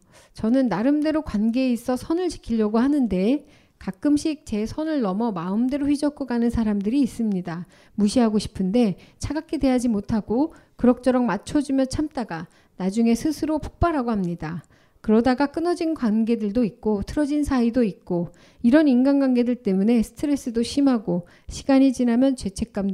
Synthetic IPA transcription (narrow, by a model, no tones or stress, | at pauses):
t͡ɕʌnɯnːaɾɯmde̞ɾokwanɡe̞eis͈ʌsʰʌnɯɭt͡ɕi̥kʰiʎːʌɡoɦanɯnde̞ | kak͈̚ɯmɕʰik̚t͡ɕe̞sʰʌnɯɭnʌmʌmaɯmde̞ɾoɸɥid͡ʑʌk͈ʰoɡanɯnsʰaɾamdɯɾiːs͈ɯmɲida | muɕʰiɦaɡoɕʰi̥pʰɯnde̞t͡ɕʰaɡakʰede̞jad͡ʑimotʰaɡo | kɯɾʌk̚t͡ɕ͈ʰʌɾʌmmat͡ɕʰʌd͡ʑumjʌt͡ɕʰamt͈aɡa | nad͡ʑuŋe̞sʰɯsʰɯɾopʰo̥k̚p͈aɾɦaɡohamɲida | kɯɾʌdaɡak͈ɯnʌd͡ʑinɡwanɡe̞dɯɭdoik̚k͈otʰɯɾʌd͡ʑinsʰaidoit̚k͈o | iɾʌninɡanɡwanɡe̞dɯɭt͈e̞mune̞sʰɯ̥tʰɯɾe̞s͈ɯdoɕʰimɦaɡo | ɕʰiɡaɲit͡ɕinɦamjʌnt͡ɕe̞t͡ɕʰe̞k̚k͈amd